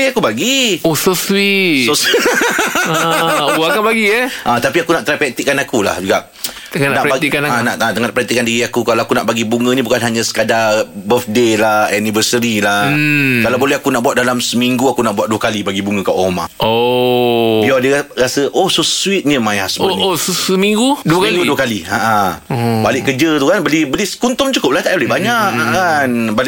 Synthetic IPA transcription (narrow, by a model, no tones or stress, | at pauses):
akubaɡiososwisos | akabaɡiɛʔə̃t̪apiakunaʔt̪ɾapɛt̪ikːanakula̰hd͡ʒuɡaʔ | t̪əannabat̪ikanãnaʔ̪at̪əŋapɾɛnt̪ikːandiɾiakukalaakuna̰ʔbaɡibuŋə̃nĩbukanɦaɲãsə̥kadabəfdelaɛnivəsəɾilakalawbolɛɦakunaʔbuwat̪̚dalamsəmiŋɡuakunaʔbuat̪̚duəkalibaɡibuŋə̃kaʔoma̰o | biadərasəʔohsosuit̪̚ɲəmaja̰sboosəsəmiŋɡuduəkmaɡuduəkaliaʔãbalɪʔkəd͡ʒət̪ukanbəlibəliskunt̪ʊmt͡ʃukʊp̚laht̪aʔbəlɛbaɲaʔaʔanbal